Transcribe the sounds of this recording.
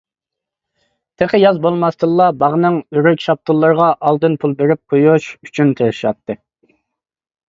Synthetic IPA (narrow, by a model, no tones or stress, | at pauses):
t̪ʰeqʰəjɑzbolˠmɑst̪ʰɨlːˠɑbɑʁnɨŋyɾøkʲʃɑp̚t̪ʰulˠːɑɾʁɑʔɑlˠd̪ɨnpʰulˠbeɾɪp̚qʰojuʃyt͡ʃʰynt̪ʰeɾɪʃɑp̚t̪ʰːɨ